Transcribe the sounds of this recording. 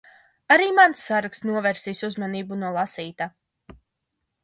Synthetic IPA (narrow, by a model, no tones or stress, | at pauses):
aɾiːmansːaɾaksnuɔvɛɾsiːsuzmaniːbunuɔlˠasiːt̪a